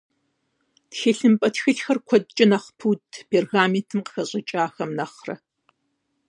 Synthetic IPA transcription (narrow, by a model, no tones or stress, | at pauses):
txeːɬɨmpʼɐtxɨɬxɐrkʷʰɔd̚ʼt͡ʃʼɪnɐχpʰuːtʰpʰeːrɣaːmentʰɨmqə̥xɐɕʼɐt͡ʃʼaːxɐmnɐχrɐ̰